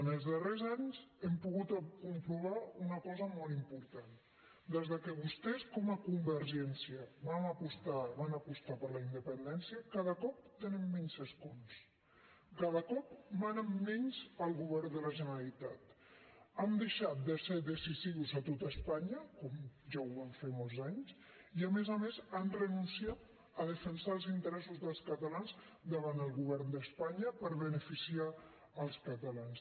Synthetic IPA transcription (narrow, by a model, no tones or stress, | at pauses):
nəlˠzðərezaɲzɛmpuɣut̪əkumpɾuβaunəkɔzəmɔlˠimpuɾt̪an | d̪ezðəkəβust̪ɛskɔməkumbəɾʒɛnsiəβaməpust̪aβanəpust̪apəɾləind̪əpənd̪ɛnsiəkaðəkɔp̚t̪ənɛmːɛɲsəskuns | kaðəkɔpmanəmːɛɲzəlˠɣuβ̞ɛɾnd̪ələʒənəɾəlit̪at̪ | and̪əʃat̪̚d̪əseðəsiziuzət̪ot̪əspaɲəkɔmʒawaɱfemolˠzaɲz | iəmezəmezanrənunsiat̪̚ | əðəfənsaəlˠzint̪əɾɛsuzðəlˠskət̪əlanz | d̪əβand̪əlˠɣuβ̞ɛɾnd̪əspaɲəpəɾβənəfisia | əlˠskət̪əlans